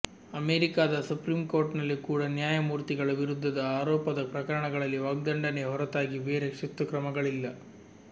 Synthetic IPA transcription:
ɐmeːɾikaːd̪ɐsupɾiːmko̞ːɾʈnɐlːikuːɽɐnjaːjɐmuːɾt̪iɡɐɭɐʋiɾud̪ʱːɐd̪ɐaːɾɔːpɐd̪ɐpɾɐkɐɾɐɳɐɡɐɭɐlːiʋɐːɡ̚d̪ɐɳɖɐneɦɔɾɐt̪aːɡiʋe̞ːɾekʂit̪ːɐkɾɐmɐɡɐɭilːɐ

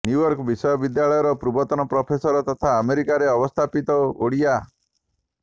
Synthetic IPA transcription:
njujɔɾkbisɔjɔbid̪jaɭɔjɔɾɔpɾubɔt̪ɔnɔpɾɔpʰesɔɾɔt̪ɔt̪ʰaːmeɾikaɾeɔbɔst̪ʰapit̪ɔoɽija

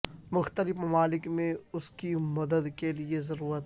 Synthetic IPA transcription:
mʊxt̪əlɪfmɐmaːlɪkmẽʊskimɐd̪əd̪keliezɐɾuːɾət̪

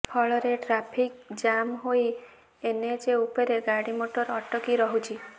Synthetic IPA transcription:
pʰɔɭɔɾeʈɾapʰik̚d͡ʒamɦoj | ened͡ʒeupeɾeɡaɽimoʈɔɾɔʈɔkiɾɔɦut͡ʃʰi

